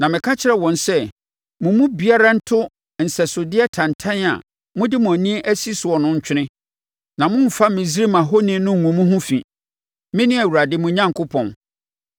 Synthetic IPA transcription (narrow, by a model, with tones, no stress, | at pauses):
nã˨mɪ̃˨kʰa˦t͡ɕʰɪ˦ɾɛ˨wɔ̃˨nsɛ˦ | mʊ̃˨mũ˦bi˨a˦ɾa˦n̩˦tʰʊ˦ | n̩˨sɛ˨sʊ˨dɪ˦ɛ˦tʰã˨ntʰã˦na̰˨ | mʊ̃˦dɪ˦mʊ̃˨æ˨nĩ˦ʔæ˦si˦sʊ˨ɔ˨nʊ̃˦ɲ̩˦t͡ɕᶣʰɪ˦nɪ̃˦ | nã˨mʊ̃˦m̩˨fa˦mɪ̃˨zi˦ɾi˦mã˨ɦo˦nɪ̃˦nʊ̃˦˨ŋũ˨mũ˦ɦʊ̃˦fĩ˨ | mɪ̃˦nɪ̃˦æ˨wu˨ɾa˨dɪ˦mʊ̃˨ɲã˦ŋ˨kʰʊ˦pʰɔ̃˨n